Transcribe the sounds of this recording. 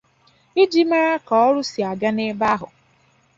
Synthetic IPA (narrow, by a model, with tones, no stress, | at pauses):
i˦d͡ʒi˦ma˦ɾa˦kɔ˨ɔ˦ɾʊ˦si˨a˨ɡa˦ne˦ba˦ɦʊ˨